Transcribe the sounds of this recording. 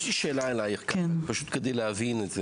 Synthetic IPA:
ʃliʃeːlaelajeχkɛnpaʃut̪ked̪ejlehavinetze

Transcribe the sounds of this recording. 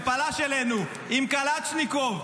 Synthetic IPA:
palaʃelenu | imkalat͡ʃnikov

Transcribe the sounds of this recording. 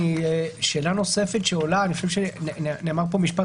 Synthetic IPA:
iʃelanosefet̪ʃeolaniχaʃevʃennnemaʁp̬omiʃpa

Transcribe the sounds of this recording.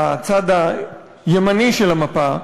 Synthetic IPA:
at͡sad̪a | jemaniʃelamapa

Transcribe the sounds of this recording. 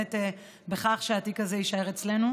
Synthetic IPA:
ete | beχaχʃeatikazeiʃaeʁet͡sle̞nu

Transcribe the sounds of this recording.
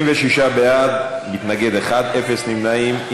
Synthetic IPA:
mveʃiʃabejad̪mit̪naɡe̞d̪eχad̪e̞fe̞snimnaim

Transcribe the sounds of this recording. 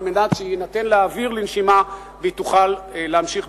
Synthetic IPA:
menat̪ʃeinat̪enleaviʁlinʃima | bit̪uχalleamʃiχ

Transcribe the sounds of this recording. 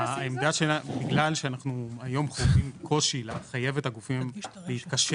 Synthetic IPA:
aemd̪aʃenabiɡlalʃeanaχnuajo̞mχovimkʰo̞ʃileχaje̞vet̪haɡufimleit̪kaʃ

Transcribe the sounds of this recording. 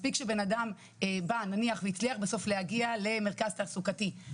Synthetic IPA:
spikʃebe̞nadam | ebananiaχveit͡sliaχbeso̞flehaɡiale̞me̞ʁkazt̪aʁsukati

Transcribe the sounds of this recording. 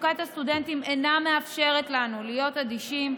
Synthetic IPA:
kat̪hastude̞nt̪imenameafʃe̞ʁet̪lanulijo̞tad̪iʃim

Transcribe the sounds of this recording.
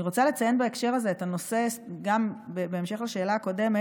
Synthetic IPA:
iʁo̞t͡sale̞t͡sajenbaekʃe̞ʁaze̞etano̞sesɡambebeemʃe̞χlaʃeːlaːko̞de̞me

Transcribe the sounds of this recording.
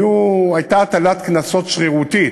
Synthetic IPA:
juajt̪at̪alat̪knaso̞t̪ʃχiʁut̪i

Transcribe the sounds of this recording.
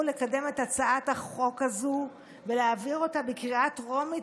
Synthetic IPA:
le̞kade̞me̞tat͡saataχo̞kazu | veleaviʁo̞tabekʁiatʁo̞mi

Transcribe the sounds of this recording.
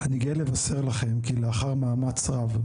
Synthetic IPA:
aniɡielevase̞ʁlaχe̞mkileaχaʁmaːmat͡sʁav

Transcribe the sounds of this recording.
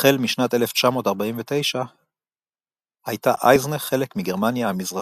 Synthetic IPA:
elmiʃnat̪e̞left͡ʃamo̞ːtaʁbaiɱvet̪e̞jʃa | hajt̪aʔajzneχe̞lekmiɡe̞ʁmanjaamizʁa

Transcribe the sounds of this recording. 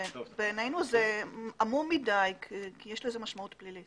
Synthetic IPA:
beːnejnuzeamumidajkkijeʃleezemaʃmaut̪plilit

